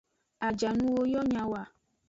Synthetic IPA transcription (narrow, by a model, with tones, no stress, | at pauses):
a˨d͡ʒa˨nũ˦wo˦jɔ˦ɲã˨wa˨